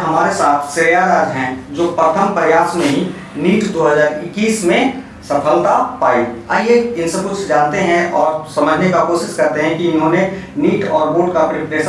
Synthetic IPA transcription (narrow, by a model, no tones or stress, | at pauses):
ɦɐmaːɾesaːt̪ʰsɪɾjaɾaːd͡ʒ̪ɦɛ̃d͡ʒoːpɾət̪ʰəmpɾɐjaːsmẽɦĩ | niːʈd̪oːɦəzaːɾɪkːiːsmẽ | sɐpʰəlt̪apaːiaːjeɪnsɐb̚kʊt͡ʃʰd͡ʒaːnt̪eɦɛ̃ʔɔːɾsɐməd͡ʒʱnekakoːʃɪʃkɐɾt̪eɦɛ̃kiɪnɦõːne | niːʈɔːɾboːʈkapɾɪpɾeːʃ